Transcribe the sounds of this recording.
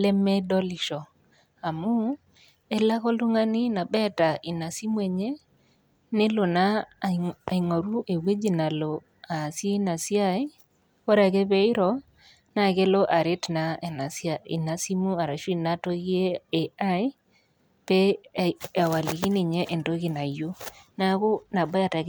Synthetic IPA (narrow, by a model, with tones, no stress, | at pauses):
lɛ˦mɛ˦dɔ˦li˨ʃɔ˨ | a˨mu˦ | ɛ˦la˦ɣɔ˦lu˦ŋa˦ni˦na˨bɛ˦ta˨ʔi˨na˨si˦mu˦ɛ˨ɲe˦ | ne˦lo˨na˦ | a˨i˨ŋo˨ɾu˦ʔe˨we˦d͡ʒi˨na˨lo˨ | a˨si˦e˦na˨si˦a˦j | o˦ɾa˨kɛ˦bɛ˦ɪ˦ɾɔ˨ | na˦˨ɣe˦lɔ˦ʔa˨ɾe˦tna˦e˨na˨si˦a˦˨ḭ˨na˨si˦mu˦a˨ɾa˨ʃu˦i˦˨na˦to˦ɣi˦e˦e˨a˦ɪ˦ | pɛ˦ | a˨wa˨li˨ɣi˦ni˨ɲɛ˦ʔe˨ndo˦ɣi˨na˨jo˦na˦ɣu˦na˨ba˦ja˨ta˨